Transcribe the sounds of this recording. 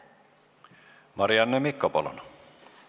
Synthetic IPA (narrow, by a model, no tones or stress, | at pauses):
mɑriɑnːemikːopo̰lo̰n